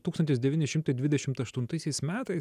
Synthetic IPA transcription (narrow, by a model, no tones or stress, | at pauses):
t̪ukst̪ɐnt̪ʲɪsd̪ʲɛʋʲiːnʲɪʃʲɪmt̪ɐɪd̪ʲʋʲɪd̪ʲɛʃʲɪmt̪ɐʃt̪ʊnt̪ɐɪsʲɛɪsmʲæːt̪ɐɪs